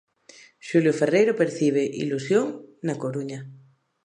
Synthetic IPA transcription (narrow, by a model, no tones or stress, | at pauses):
ʃuljoferejɾopeɾθiβ̞eʔḭlusjoŋnakoɾuɲa